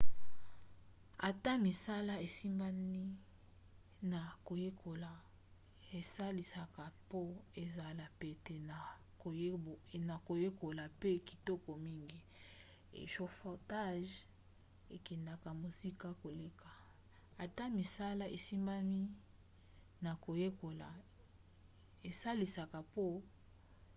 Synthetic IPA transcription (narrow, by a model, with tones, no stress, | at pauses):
a˨ta˦mi˨sa˦la˦e˨si˦mba˦ni˦ | na˨ko˨je˦kʰo˨la˨ | e˨sa˦li˨sa˨ka˨po˦e˨za˨la˨pe˨te˨na˨˦˨ | na˨ko˨je˦ko˨la˨pe˦ki̥˨tɔ˦kɔ˨mi˦ŋɡi˦ | ḛ˨ʃo˨fo˨ta˦ʒ | e˨kɛ˨nda˨ka˨mo˨zi˦ka˦ko˨le˦ka˨ | a˨ta˦mi˨sa˦la˦ʔe˨si˦mba˦mi˦ | na˨ko˨je˦ko˨la̰˨ | e˨sa˦li˨sa˨ka˨po˦